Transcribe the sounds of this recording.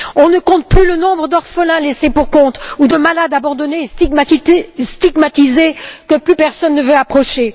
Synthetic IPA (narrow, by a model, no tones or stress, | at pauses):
ɔ̃nəkɔ̃t̪̚plylənɔ̃bʁəd̪ɔʁfəlɛ̃lesepuʁkɔ̃t̪ud̪əmalad̪abɑ̃d̪ɔnes | st̪iɡmat̪izekəplypɛʁsɔnːəvøapχɔʃe